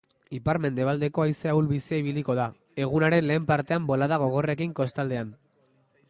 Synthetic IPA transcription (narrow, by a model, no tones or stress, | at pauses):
ipaɾme̞nd̪e̞βald̪e̞ko̞ajseawlβisiaiβ̞iliko̞ð̞a | e̞ɣ̞unaɾe̞nle̞ːmpaɾt̪eambo̞laðaɣ̞o̞ɣ̞o̞re̞kiŋko̞st̪ald̪e̞an